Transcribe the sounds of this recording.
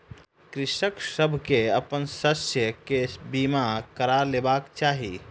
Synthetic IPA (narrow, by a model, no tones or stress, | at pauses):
kɾɪʃəksəbʱkeəpənsəsjəkebimakəɾaleːbaːkt͡ʃaːɦi